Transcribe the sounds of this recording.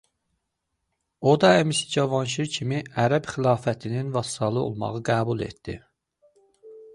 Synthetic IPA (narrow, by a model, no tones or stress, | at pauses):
od̪ɑæmisi̥d͡ʒɑvɑnʃ̬iɾcʰimiæɾæbxilˠɑːfæt̪ʰininvɑsi̥t̪ɑlˠɯo̰lˠmɑ̰ʁɯɡæːbulˠḛt̪d̪̥ḭ